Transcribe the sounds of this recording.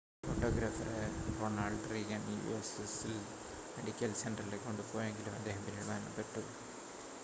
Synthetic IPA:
foʈːoːɡɾaːfɐreroːnaːɭɖriːɣɐnjṵːnʋḭʋɐ̰ɾsʈisil | meɽikʲːɐlseɳɖɐrilekːoɳɖupoːjeŋɡilumɐd̪ːeːɦɐmpinːiɽumaːnɐ̰peʈːɐðu

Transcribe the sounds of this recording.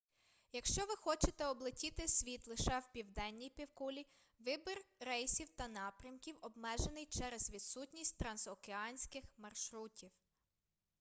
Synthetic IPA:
jɐkʃt͡ʃɔʋɪxɔt͡ʃet̪ɛɔblˠɪtʲit̪ɪsʲʋʲit̪lˠɪʃɛwpʲiwd̪ɛnʲːijpʲiwkulʲi | ʋɪbɪrɾɛjsʲiwt̪ɐnɑpɾʲɐmkʲiwɔbmɛʒenɪjt͡ʃɛɾɛzʋʲid̪sutʲnʲisʲtʲt̪ɾɐnzɔkeɑnʲsʲkɪxmɐrʃɾutʲiw

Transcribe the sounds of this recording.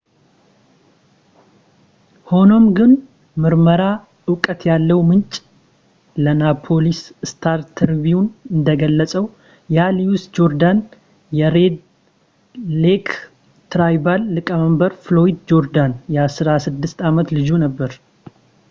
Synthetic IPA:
ho̞no̞mɡɨn | mɨɾməɾa | ɨwkʼət̪jalːəwmɨnt͡ʃʼ | lənapʰo̞lisst̪ʰaɾt̪ʰəɾviunɨnd̪əɡəlːəsʼəw | jaliusd͡ʒo̞ɾd̪an | jɛɾed̪ | lek | t̪ɾajbalːɨkʼəməmbəɾflo̞id̪d͡ʒo̞ɾd̪anjɛasɨɾasɨd̪ːɨst̪amət̪lɨd͡ʒunəbːəɾ

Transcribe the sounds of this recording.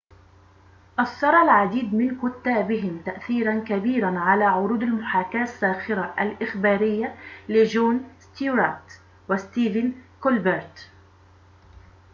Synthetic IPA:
ʔɑsːɑɾˤɑlʕad̪iːd̪mɪnkʊt̪ːaːbɪɦɪmt̪aʔθiːɾankabiːɾanʕalaːʕʊɾuːd̪almʊħaːkaːsːaːxɪɾaʔalʔɪxbaːɾɪjːalɪd͡ʒoːnst̪juɾat̪ | wɪst̪iːvɪnkʊlbɪɾt̪

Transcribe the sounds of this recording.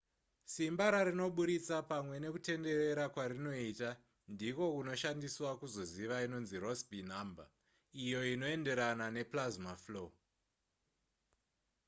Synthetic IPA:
simbaɾaɾino̞ɓuɾit͡sapamwe̞ne̞kute̞nde̞re̞ɾakwaɾino̞ita | ndiko̞kuno̞ʃandiswakuzo̞ziʋaino̞nzirosbʱinamba̰ | ijo̞ino̞e̞nde̞ɾanane̞plazmaflo

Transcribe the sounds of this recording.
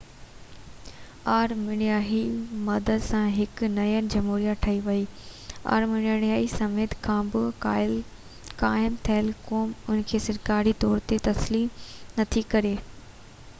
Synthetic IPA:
aːɾmɪɽ̃ijaːɦimɐd̪əd̪sãɦɪknɐjənɪ̆d͡ʑɐmɦuːɾijaʈʰɐiʋɐiːa̰ːɾmɪɽɪɽ̃ijaːɦisɐmeːt̪kʰãːbɪ | kaːɪmt̪ʰɐɦɪlkoːmʊn̆kʰeːsɐɾkaːɾit̪ɔːɾt̪et̪ɐsliːmnɐt̪ʰikɐɾeː

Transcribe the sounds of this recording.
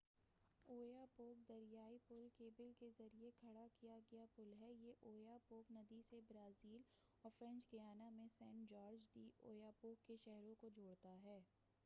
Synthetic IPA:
oːjapoːk̚d̪ɐɾijaːipʊlkeːbɪlkezɐɾiekʰɐɽakijaɡɐjapʊlɦɛːjeʔoːjapoːknɐd̪isebɾaːziːl | ɔːɾfɾɛ̃nt͡ʃɡɐjaːnamẽsɛ̃ːɳʈd͡ʒɔːɾd͡ʒɖiːʔoːjapoːkːeʃɛɦɾõkod͡ʒʱoːɽt̪aɦɛː

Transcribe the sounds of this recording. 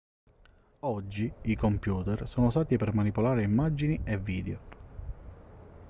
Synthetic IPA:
ɔd͡ʒːiikompjuːt̪ɛrsoːnost̪aːt̪ipɛrmanipolaːɾeimːad͡ʒinievːiːd̪eo

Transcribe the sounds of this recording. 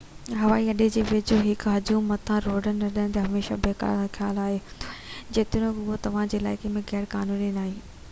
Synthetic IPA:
ɦɐʋaːiɐɗed͡ʑeːʋɪt͡ɕoɦɪkɦɐd͡ʑũmːɐt̪ʰãɾoːɖənːɐɾɗəñɪ̃t̪eɦɐmeːʃa̰beːka̰ːɾaxʰjaːlaːɦed͡ʑeːt̪ɪnõkʊɦot̪ɐʋ̤ãd͡ʑeːla̰ːɪkemẽɣɛːɾkaːnuːninaːɦĩː

